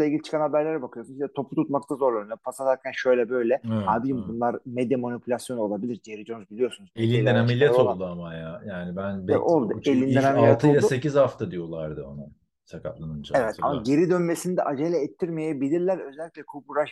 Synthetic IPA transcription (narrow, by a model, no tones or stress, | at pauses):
selʲɟiit͡ʃʰkʰanhabæɾlʲeɾɛbakʰɯjo̞sunziɛt̪ʰo̞plˠut̪ʰut̪mak̚t̪ʰazo̞ɾlˠoɾʲnopʰasasaɾcʰænʃø̞jlʲɛbø̞jlʲɛaːbid͡ʒimbunlˠaɾmed̪ɛmonipʰylʲasjo̞nuo̞lˠabilʲiɾd͡ʒieɾid͡ʒo̞nuzbilʲijo̞sunuzelʲind̪ænamilʲjet̪ollˠd̪uamajajaːnibænbɛʔolˠd̪uelʲind̪ɛnamillʲːjet̪ʰɯojadusecizhaft̪ʰad̪ijo̞lˠaɾd̪ɯona | sakaplˠanɯnt͡ʃʰaevɛt̪ʰa̰maɟeɾid̪ø̞nme̞sinid̪ɛʔad͡ʒelʲɛɛt̪ʰːiɾmejɛbilʲiɾlʲæɾø̞zɛlʲːiclʲɛkʰubuɾaʃ